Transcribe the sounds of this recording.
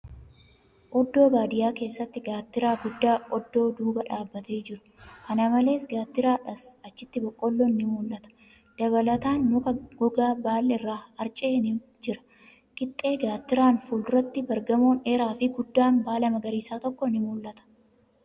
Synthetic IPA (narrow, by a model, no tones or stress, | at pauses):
ʔɔd̪ːo̞ːbaːd̪ɪjaːke̞ːsːɐt̪ːɪɡaːt̪ːɪɾaːɡʊd̪ːaːʔɔd̪ːo̞ːd̪uːbɐᶑaːbːɐt̪e̞ːd͡ʒɪɾʊ̥kɐnɐmɐle̞ːsɡaːt̪ːɪɾaːᶑɐsɐt͡ʃːɪt̪ːɪbɔkʼːɔlːɔnnɪmuːlːʔɐt̪ɐ̥ | d̪̥ɐβɐlɐt̪aːnmʊkɐɡɔɡaːbaːlːɛɪrːaːɐɾt͡ʃʼeːnɪ | d͡ʒɪɾɐ̥ | kɪt̪ʼːe̞ːɡaːt̪ːɪɾaːnfuːlrːɐt̪ːɪbɐɾɡɐmo̞ːneːɾaːfɪɡʊd̪ːaːnbaːlɐmɐɡɐɾiːsaːt̪ɔkːɔnɪmuːlːɐt̪ɐ̥